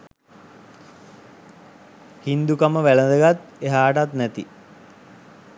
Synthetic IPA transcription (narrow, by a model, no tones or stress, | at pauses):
hind̪ukaməʋæləd̪əɡat̪eɦaːʈat̪nɛt̪i